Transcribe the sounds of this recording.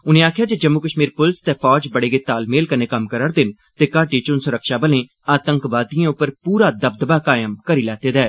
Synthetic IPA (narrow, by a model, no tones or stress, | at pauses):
ʊnẽːaːkʰjaːd͡ʒeːd͡ʒəmːuːkəʃmiːɾpʊlst̪eːpʰɔːd͡ʒbəɽeːɡɪt̪aːlmeːlkəneːkəmkəɾəɾd̪ɪn | t̪eːkaːʈiːt͡ʃʊnsʊɾəkʰʃaːbəlẽː | aːt̪əŋkʋaːd̪ijãːʊpːəɾpuːɾaːd̪əb̚d̪baːkaːjəmkəɾiːlɛːt̪eːd̪ɛː